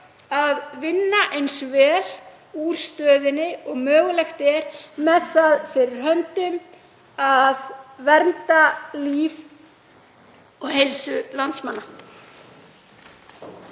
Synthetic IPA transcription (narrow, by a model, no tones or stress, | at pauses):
aðvɪnːaʔejnsvɛːl | uːɾ̥st̪œːðɪnːɪɔɣmœːɣʏlɛxt̪ɛɾ̥mɛðθaðfɪɾɪɾ̥ɦœnt̪ʏm | aðvɛɾmt̪aliːv | ɔɣhejlsʏlant̪smanːa